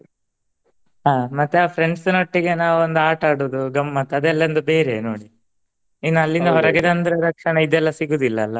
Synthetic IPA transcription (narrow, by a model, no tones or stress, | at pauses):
ɦaːmɐt̪ːeaːpʰɾeɳɖsnoʈːiɡe̞naːʋuond̪uaːʈaːɽuːd̪uɡɐmːɐt̪ːɐd̪ɛlːɐnd̪ubeːɾeno̰ːɽi | inːuɐlːind̪ɐɦɔɾɐɡed̪ɐnd̪ɐɾɐɾɐkʂɐɳɐid̪ɛlːɐsiɡuːd̪ilːɐːlːɐ